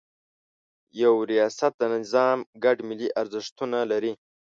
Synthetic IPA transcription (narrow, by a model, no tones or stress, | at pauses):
jawɾijɑːsat̪̚d̪ənɪzɑːmɡaɖmɪliʔaɾzɪʂt̪unalaɾi